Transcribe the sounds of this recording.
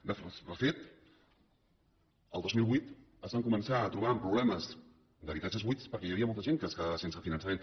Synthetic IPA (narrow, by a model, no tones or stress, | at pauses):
d̪əfd̪əfet̪ | ə̰lˠozmilˠβwit̪ | əzβaŋkumənsaːt̪ɾuβ̞aəmpɾuβlɛməz | d̪əβit̪at͡ʃəzβispəɾkɛjəβiəmɔlˠt̪əʒeŋkəskəðaβəsensəfinə̃nsamen